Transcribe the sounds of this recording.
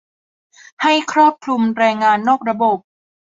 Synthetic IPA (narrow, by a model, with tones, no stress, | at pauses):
ha˥˩jkʰɾɔː˥˩p̚kʰlu˧mɾɛː˧ŋːaː˧nːoː˥˩k̚ɾa˧bo˨˩p̚